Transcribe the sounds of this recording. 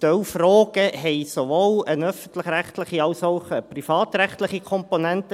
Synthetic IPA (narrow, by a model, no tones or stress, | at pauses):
t̪œwfrɔːɡ̥əɦɛɪsoʋoːlənœfən̩t̪lɪχɾæχt̪lɪχiɑwsoʊχəprifɑːt̪ɾɛχtlɪχikʰɔmponɛnt̪ə